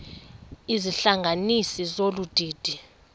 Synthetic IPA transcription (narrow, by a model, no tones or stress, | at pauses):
iziɬaŋɡʱanisizolud̥ʱiːd̥ʱi